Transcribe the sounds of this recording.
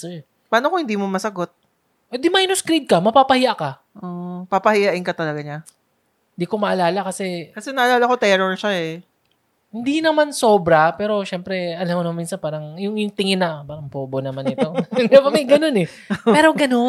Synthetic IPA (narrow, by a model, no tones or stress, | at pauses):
sɛɹ | paːnokohɪnd̪iːmomɐsɐɡot̪̚ | ʔɛd̪ɪmajnoskɾid̪̚kɐmɐpaːpɐhɪjaʔkɐ | ʔopapɐhɪjaʔɪnkɐt̪ɐlɐɡaɲa | hɪnd̪iːko̞mɐʔɐlaːlɐkɐsɛkɐsɛnɐʔɐlaːlɐko̞t̪ɛɾoɹʃaɛ | hɪnd̪inɐmanso̞ːbɾɐpɛːɾo̞ʃɛmpɾɛʔɐlɐmonmmiːnsɐnpaːɾɐŋjʊŋjʊŋt̪ɪŋɪnːɐpaːɾɐŋpoːbonɐmanɪt̪o̞d̪ɛbɐmɐjɡɐno̞nɛ | pɛːɾo̞ɡɐno